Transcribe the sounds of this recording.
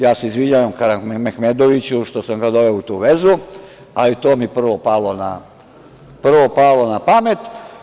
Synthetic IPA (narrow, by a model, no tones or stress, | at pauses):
jaːseizʋid͡ʑaʋamkaɾanmmexmed̪oʋit͡ɕuʃt̪o̞samɡad̪o̞ʋe̞out̪uːʋe̞zu | alit̪oːmipr̩ʋo̞palona | pr̩ʋo̞palˠo̞napamet̪